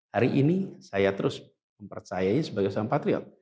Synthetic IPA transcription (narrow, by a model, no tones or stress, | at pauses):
haɾiʔinisajat̪əɾʊs | məmpərt͡ʃajaisəbaɡajsaaŋpat̪ɾiɔ̰t̪̚